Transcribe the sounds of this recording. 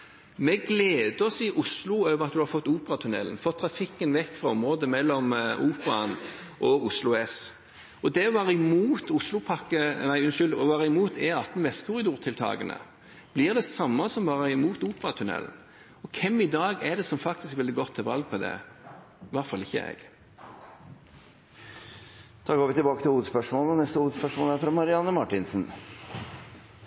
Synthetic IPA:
mɛɡleːd̪əɔsiːʔʊslʊøːʋəɾɑt̪̚d̪ʉhɑɾfɔt̪ːuːpəɾɑt̪ʰʉnɛ̰lənfɔt̪ʰːɾɑfɪkːənʋɛkːfɾɑɔmʁoːd̪əmɛlːɔmʔuːpəɾɑn | ʔɔʊslʊɛs | ɔd̪ɛʋɑɾɪmuːt̪ʊslʊpʰɑkːənæɪʉnʃʏld̪ɔʋɑːʁəɪmuːt̪ɛɑt̪ːnʋɛst̪kʰʊɾɪd̪uːʁt̪ʰɪlt̪ʰɑ̰ːɡənə̰ | b̥lɪːʁd̪ɛsɑmːɑsɔmbɑːɾəɪmuːt̪uːpəɾɑt̪ʰʉnɛ̰ln̩ | ɔkʰɛmːɪd̪ɑːɡæd̪ɛsɔmfɑk̚t̪ɪskʋɛld̪ɪɡɔt̪ʰːɪlʋɑlɡ̚pʰɔd̪ɛ̰ | ʋɑʁt̪fɑlɪçːə̰ɛ̰ɡ̥ | d̪ʰɑːɾɡoːʋɪt̪ɪbɑːkət̪ʰɪluːd̪əspœʂmoːlɔnɛst̪əuːd̪spœʂmoːlæɾfɾɑmɑɾɪɑnːəmɑʈːɪnsn̩

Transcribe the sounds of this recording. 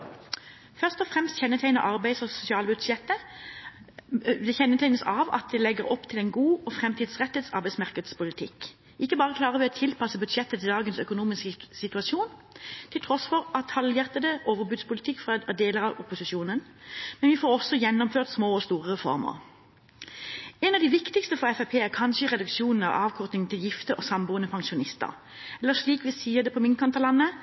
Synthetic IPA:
fœʁst̪ɔfʁɛmst̪çɛnːət̪ʰæɪnə̰ʔɑʁbæɪsɔsʊsɪɑːlbʉd̪ʃɛt̪ːə | d̪ɛçɛnːət̪ʰæɪnəsɑʋɑ̰t̪̚d̪ɛlɛɡəɾɔpːt̪ʰɪlɛɪnɡuːɔfʁɛmt̪ʰiːd̪sʁɛt̪ːət̪sɑ̰ɾbæɪsmɑʁkəd̪spʰʊlɪt̪ʰɪkː | ʔɪkːəbɑːʁəkʰlɑːʁəʋɪɔt̪ʰɪlpʰɑsəbʉd̪ʃɛt̪ːət̪ʰɪld̪ɑːɡənsœkʊnuːmɪsksɪt̪ʉɑsuːnt̪ʰɪlt̪ʰʁɔsfɔʁɑt̪ʰhɑljæʁt̪əd̪əʔoːʋəɾbʉd̪spʰʊlɪt̪ʰɪkːfʁɑd̪eːləɾɑʋʊpʊsɪʃuːnən | mɛnʋɪfoːɾɔsːɔjɛnːɔmføːʁt̪smoːɔst̪uːʁəɾɛfɔ̰ʁmə̰ʁ | ɛnɑʋd̪ɪʋɪkt̪ɪkst̪əfɔʁɛfæpʰeːæʁkʰɑnʃəɪʁɛd̪ʉkʃjuːnn̩ɑ̰ʋɑːʋkʰɔʁt̪nɪŋn̩t̪ʰɪljɪft̪əʔɔsɑmbuːənəpʰɑŋʃʊnɪst̪ə̰ɾ | ɛlːəʂɭiːkʋɪsiːəd̪ɛpʰɔmɪŋkʰɑnt̪ɑʁlɑnːə

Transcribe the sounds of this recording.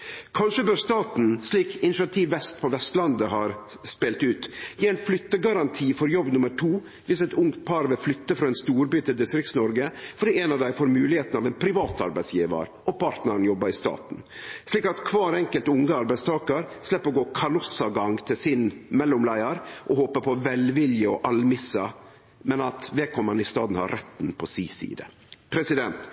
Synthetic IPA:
kʰɑnʂəbøːɾst̪ɑːt̪n̩sliːkɪnɪʃɑt̪ʰiːʋːɛst̪̚pʰɔʋɛst̪lɑnd̪əhɑːɾspeːlt̪ʉːt̪jiːɛnflʏt̪ːəɡɑɾɑnt̪ʰiːfɔɾjɔbːnʊməʈʰuː | ʋɪsɛt̪ʊŋt̪̚pʰɑɾʋɛflʏt̪ːəfɾɑɛnst̪uːɾbyːt̪ɪld̪ɪst̪ɾɪkt̪snɔɾɡəfɔɖiːɛnɑʋd̪æɪfoːɾmʉːlɪheːt̪n̩ɑʋɛnpʰɾɪʋɑːt̪ɑ̰ɾbæɪsjiːʋə̰ɾʔɔpʰɑɾt̪nəɾɳ̩jɔbːɑɾɪst̪ɑ̰ːt̪n | sliːkɑt̪kʰʋɑːɾɛŋkəlt̪ʊŋːəɑɾbæɪst̪ʰɑːkəɾslɛpːɾɔɡoːkʰɑlɔsɑɡɑŋt̪ʰɪlsɪnmɛlːʊmlæɪəɾʔɔhoːpəpʰɔʋɛlʋɪljəɔʔɑlmɪsɑ | mɛnɑt̪ʋɛkʰɔmɑnɪst̪ɑ̰ːd̪n̩hɑ̰ːɾʔɛt̪ːnpʰɔsḭːsḭːd̪ə̰ | pʰɾɛsɪd̪ɛnt̪

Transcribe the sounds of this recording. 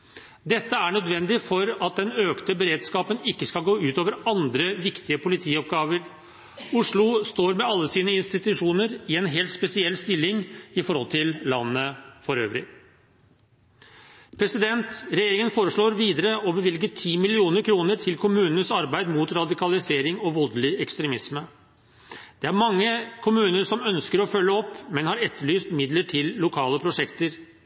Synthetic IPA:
d̪ɛt̪ːəæɳœd̪ʋɛnd̪ɪfɔɾɑt̪̚d̪ɛnøːkt̪əbəɾeːd̪skɑːpənɪkːəskɑlɡoːʉːt̪oːʋəɾɑnd̪ɾəʋɪkt̪ɪəpʰʊlɪt̪ʰiːɔp̚ɡɑːʋəɾ | ʊʂlʊst̪oːɾmɛɑlːəsiːnəɪnst̪ɪt̪ʉʂuːnəɾɪɛnɦeːlt̪spɛsɪɛlːst̪ɪlːɪŋɪfɔɾhɔlt̪ʰɪllɑnːəfɔɾø̰ːʋɾɪ | pʰɾɛsɪd̪ɛnt̪ɾɛjeːɾɪŋənfoːɾəʂɭoːɾʋiːd̪əɾəɔbəʋɪlɡəʈʰiːmɪlɪuːnəɾkʰɾuːnəɾʈʰɪlkʰʊmʉːnənəsɑɾbæɪd̪mut̪ɾɑd̪ɪkɑlɪseːɾɪŋɔʋɔld̪lɪɛkst̪ɾɛmɪsmə | d̪̥ɛæɾmɑŋːəkʰʊmʉːnəʂɔmœnskəɾɔfœlːəɔpːmɛnhɑɾɛt̪ːəɭyːst̪mɪd̪ləʈʰɪlːʊkʰɑːləpʰɾʊʂɛkt̪əɾ

